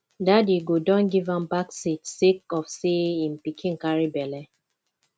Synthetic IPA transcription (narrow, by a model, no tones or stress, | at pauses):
dadiɡodɔ̃nɡivãmbaksitsek̚ɔfseĩmpikʰĩnkaɹibɛlɛ